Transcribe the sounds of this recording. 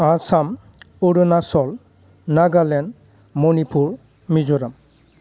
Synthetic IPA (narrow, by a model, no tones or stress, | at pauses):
asam | uɾunasɔl | naɡalɛn | mɔnipʰuɹ | mizɔɾam